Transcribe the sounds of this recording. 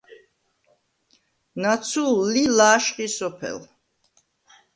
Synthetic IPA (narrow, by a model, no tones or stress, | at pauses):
nat̪sʰulːilaːʃqʼisɔpʰɛ̰l